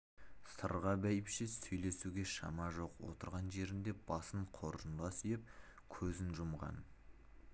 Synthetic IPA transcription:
sə̰ɾʁɑbæjɪpʃɪsɵjle̞suɡʲe̞ʃɑ̰mɑʒo̞qwo̞̰t̪əɾʁɑnʒe̞ɾɪnd̪e̞b̥ɑsəɴqʰo̞ɾənd̪ɑsʏjɪp̚ | kʲʰɵzɪnʒʊmʁɑ̰n

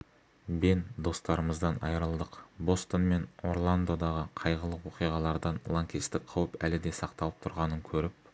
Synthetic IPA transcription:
bend̪o̞st̪ɑɾəməzd̪ɑnɑ̰jɾəlˠd̪əqbo̞st̪onme̞no̞rlˠand̪o̞d̪ɑʁəqʰɑjʁəlˠəqwo̞qijʁɑlˠɑɾd̪ɑnlˠoŋkʲist̪ɪk̚qʰɑwəpælɪd̪e̞sɑqt̪ɑlˠəp̚t̪ʰʊɾʁɑnəŋkʲʰɵɾɪp̚

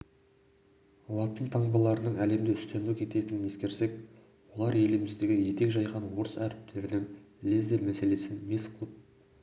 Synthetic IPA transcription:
lˠɑt̪ənt̪ʰɑɴbɑlˠɑɾənəɴæle̞md̪ɪʏst̪ænukʲʰe̞t̪e̞t̪ɪnɪne̞skʲe̞ɾse̞k | wo̞lˠɑɾe̞lɪmɪzd̪e̞ɡʲɪje̞t̪e̞kʒɑjʁɑnwo̞ɾəsæɾɪp̚t̪ʰe̞ɾɪnɪŋlezd̪emæse̞le̞sɪnme̞sqʰəlˠəp̚

